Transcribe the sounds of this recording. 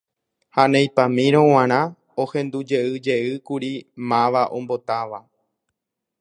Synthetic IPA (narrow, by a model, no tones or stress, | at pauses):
hanẽjpãmĩɾ̃õw̃ãɾ̃ã | ohẽ̞nd̪ud͡ʒe̞ɨd͡ʒe̞ɨkuɾimãʋaʔõ̞mbo̞t̪aʋa